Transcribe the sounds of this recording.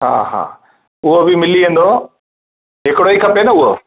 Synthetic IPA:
ɦa̰ːɦa̰ː | ʊɦobɪmɪliẽːnd̪o | ɦɪkɪɽoikʰɐpenɐʊɦo

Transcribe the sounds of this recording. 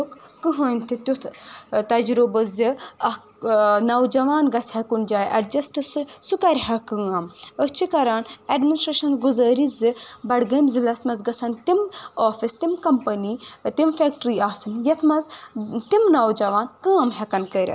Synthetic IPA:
ukːɨɦɐːnʲt̪ʰit̪ut̪ʰt̪ɐd͡ʒɾubɐziɐ | nɐwd͡ʒɐʋaːnɡɐshɐkund͡ʒaːjʔɐɾd͡ʒɐsʈɨsɨsukɐɾʲɦɐkɨ̃ːɐmət͡ʃʰikɐɾaːneɖminisʈɾeːʃɐnzɡuzɐːɾizɨbɐɽɡɐmzilɐsmɐzɡɐsɐnt̪imoːfist̪imkɐmpɐnit̪imfek̚ʈɾiːaːsɨnjɐt̪ʰmɐzt̪imnawd͡ʒɐʋaːnkɨːɐmɦɐkɐnkəɾʲɐ̰t̪

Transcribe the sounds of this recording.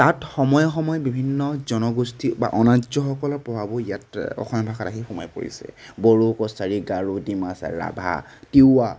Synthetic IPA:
tatxɔmɔjɔxɔmɔjɔbibʱinːɔzɔnɔɡustʰiba̰ʔɔnazɔxɔkɔlɔpɹɔbʱabɔijatɔ̰xɔmbʱakatakʰixuma̰jpo̰ɹḭsɛ̰boɹukɔsaɹiɡaɹudimasa̰ɹa̰bʱa̰tia

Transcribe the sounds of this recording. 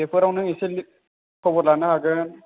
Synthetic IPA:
epʰɯɾawnɯŋiseli | kʰɔbɔtlanɯɦaɡɯn

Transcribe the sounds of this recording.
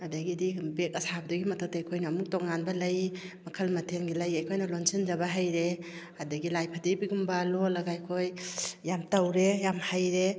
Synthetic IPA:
adaɡidibekɐsabdɐɡimɐtɐw̚taajkʰojnaːmuk̚tɔkŋːanbɐlɐj | mɐkʰɐlmɐtʰenɡilajɐjkʰojnɐlonsind͡ʒabaɦajɾe | adɐɡilajpʰadibiɡumbalolɐɡajkʰojjamtawɾejamhajɾe

